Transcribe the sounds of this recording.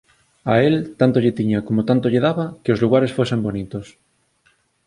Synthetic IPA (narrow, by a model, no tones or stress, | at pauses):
aelt̪ant̪oʎet̪iɲakomot̪ant̪oʎeðaβakeozluɣ̞aɾesfwese̞mbonit̪os